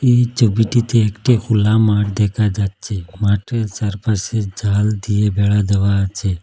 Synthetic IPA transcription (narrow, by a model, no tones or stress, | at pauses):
it͡ʃobiʈit̪ʰiekʈekʰulamaːʈd̪ekʰad͡ʒad̪̚t͡ʃʰemaʈesəɾpased͡ʒʱaːld̪iebʱeɭad̪əʋat͡ʃʰe